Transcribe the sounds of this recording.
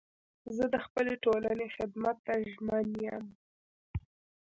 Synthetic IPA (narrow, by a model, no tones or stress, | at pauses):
zəd̪əxpəleʈolanexɪd̪mat̪ːaʒmənjəm